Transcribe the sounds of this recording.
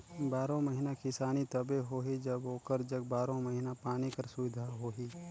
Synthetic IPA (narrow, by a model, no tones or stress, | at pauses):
baːɾõməɦɪnakɪsaːnit̪ɐbeɦoːɦid͡ʒɐboːkəɾd͡ʒɐɡ̚baːɾõmɐɦɪnapaːnikɐɾsʊʋɪd̪ʱaɦoːɦiː